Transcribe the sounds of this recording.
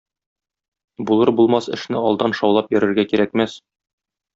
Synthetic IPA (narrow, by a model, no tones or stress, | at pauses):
bulˠɤɾbulˠmɑsɘ̆ʃnɘɒlˠd̪ɑnʃɒwlˠɑpjɵ̆ɾɘ̆ɾɡækiɾækmæs